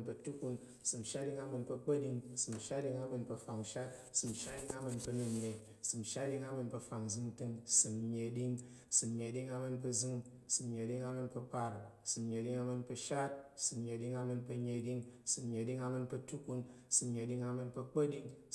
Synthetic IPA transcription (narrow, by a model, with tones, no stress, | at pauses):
npɐ˧tu˦ku˧n | sɨ˨m˨ʃa˦t̚di˧ŋa˧mɨ˧npɐ˧k͡pə˦di˧ŋsɨ˨m˨ʃa˦t̚di˧ŋa˧mɨ˧npɐ˧fa˨ŋʃa˦t̚sɨ˨mʃa˦di˧ŋa˧mɨ˧npɨ˧nu˧ɲe˨ | sɨ˨mʃa˦tdi˧ŋa˦mɨ˧npɐ˧fa˨ŋzɨ˧ŋtɨ˧ŋsɨ˨mɲe˨di˧ŋ | sɨ˨mɲe˨˧di˧ŋa˧mɨ˧npɨ˧zɨ˧ŋ | sɨ˨mɲe˨˧di˧ŋa˧mɨ˧npɨ˧pa˧ɾsɨ˨mɲʲe˨˧di˧ŋa˧mɨ˧npɨ˧ʃa˦t̚sɨ˨mɲe˨di˧ŋa˧mɨ˧npɐ˧ɲe˧di˧ŋsɨ˨mɲe˨˧di˧ŋa˧mɨ˧npɐ˧tu˦ku˧n | sɨ˨mɲe˨˧di˧ŋa˧mɨ˧npɐ˧k͡pə˦di˧ŋ